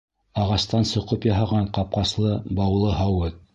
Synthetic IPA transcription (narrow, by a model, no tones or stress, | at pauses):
ɑʁɑst̪ɑnsŏqɤpjɑɦɑʁɑɴqɑp̚qɑslˠɤbɑwlˠɤɦɑwɘt̪